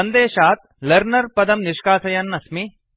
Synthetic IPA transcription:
ɐnd̪eːʃaːt̪̚lɐɾnɐɾpɐd̪ɐmniʂkaːsɐjɐnːɐsmi

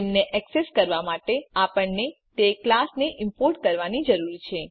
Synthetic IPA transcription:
emneʔɛkseskəɾʋamaʈeapəɳnet̪eklasneʔɪmpoɾʈ̚kəɾʋanid͡ʒəɾuɾit͡ʃʰe

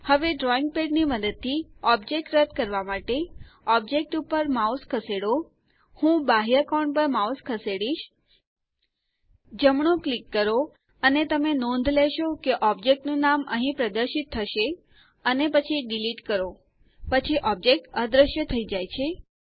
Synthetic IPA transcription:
həʋeɖɾɔiŋɡ̚peɖniməd̪əd̪̚t̪ʰːiɔb̚d͡ʒek̚ʈɾəd̪̚ʱkəɾʋamaʈeɔb̚d͡ʒek̚ʈupəɾmauskʰəseɽo | hũbaɦjəkɔɳpəɾmauskʰəseɽiʃ | d͡ʒəmɳ̃õklikːəɾo | ənet̪əmenɔ̃nd̪ʱlɛʃokeʔɔb̚d͡ʒek̚ʈnũnamə̰ɦĩpɾəd̪əɾʃit̪ʰːəʃe | ənepət͡ʃʰiɖiliʈkəɾo | pət͡ʃʰiʔɔb̚d͡ʒek̚ʈəd̪ɾəʃjət̪ʰəid͡ʒajt͡ʃʰe

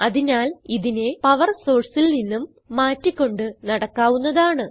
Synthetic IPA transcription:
ɐðinaːliðine̞pɐʋɐrso̞ːɖsilninːumː | aːtːikʲːo̞ɳɖɨnɐɽɐkːaːʋunːɐðaːɳɨ

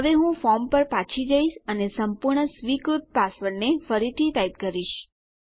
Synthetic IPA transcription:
ɦəʋeɦũfɔɾmpəɾpat͡ʃʰid͡ʒəiʃənesəmpuɾɳəsʋikɾut̪̚pasʋəɾnefəɾit̪ʰit̪ait̪̚kəɾiʃ

